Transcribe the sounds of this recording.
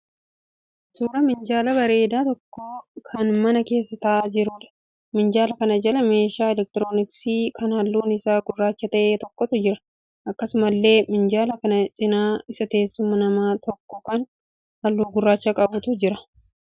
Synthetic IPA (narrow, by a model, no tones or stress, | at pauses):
suːɾɐmɪnd͡ʒaːlɐbɐɾe̞ːd̪aːt̪ɔkːoːkʰɐnmɐnɐke̞ːsːɐt̪ɐʔad͡ʒɪɾʊᶑɐ̥ | mɪnd͡ʒaːlɐkɐnɐd͡ʒɐlɐme̞ːʃaːɛlɛk̚t̪ɪɾoːnɪksiːkɐnhɐlːuːnɪsaːɡʊrːaːt͡ʃːɐt̪ɐʔeːt̪ɔkːɔt̪ʊd͡ʒɪɾɐ | ʔɐkːɐsʊmɐlːe̞ːmɪnd͡ʒaːlɐkɐnɐt͡ʃʼɪnaːɪsɐt̪e̞ːsːʊmːɐnɐmaːt̪ʰɔkːɔkɐn | hɐlːuːɡʊrːaːt͡ʃːɐkʼɐbʊt̪ʊd͡ʒɪɾɐ